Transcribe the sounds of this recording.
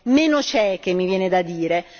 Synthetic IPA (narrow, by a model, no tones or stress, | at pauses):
meːnot͡ʃɛk̟ːemːivjɛːned̪ad̪iːɾe